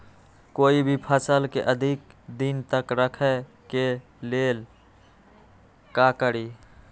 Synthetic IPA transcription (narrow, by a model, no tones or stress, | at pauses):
koːibʱipʰəsəlkeʔəd̪ʱikd̪int̪əkɾəkʰɛ | ke | lel | kakəɾi